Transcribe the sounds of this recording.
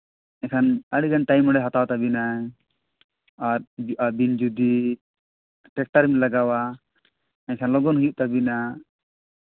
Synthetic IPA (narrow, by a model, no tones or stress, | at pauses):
ɛkʰanaɽiɡanʈajmɔɽɛɦat̪awt̪abina | aɾabind͡ʒud̪i | ʈɛk̚ʈaɾmilaɡawa | ɛɲkʰanlɔɡɔnɦujuʔt̪abina